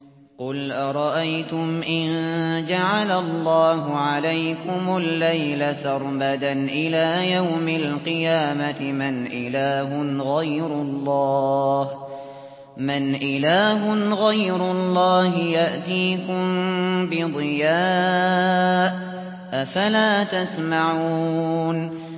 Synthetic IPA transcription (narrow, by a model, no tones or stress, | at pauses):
qʊlʔaɾˤɑʔajt̪ʊmʔɪnd͡ʒaʕalalˤːɑːɦʊʕalajkʊmʊlːajlasɑɾˤbad̪anʔɪlaːjawmɪlqɨjaːmat̪ɪmɪnʔɪlaːɦʊɣajɾʊlˤːɑːh | mɪnʔɪlaːɦʊɣajɾʊlˤːɑːɦɪjaʔt̪iːkʊmbɪd̪ˤɨjaː | ʔ | ʔafalaːt̪asmaʕuun